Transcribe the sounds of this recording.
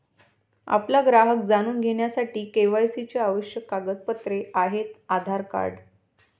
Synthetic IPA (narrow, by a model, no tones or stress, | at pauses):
a̰plaɡɾaɦək̚d͡zañuːnɡʱeɳjasaʈiːkeʋajsit͡ɕeaʋəɕjəkːaɡət̪̚pət̪ɾeaɦet̪ad̪ʱaɾka̰ɽ